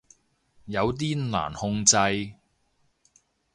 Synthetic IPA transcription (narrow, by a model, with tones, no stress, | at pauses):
jɐ˨˧wt̪̬iː˥la̰ː˨˩nhʊ˧ŋt͡sɐ˧j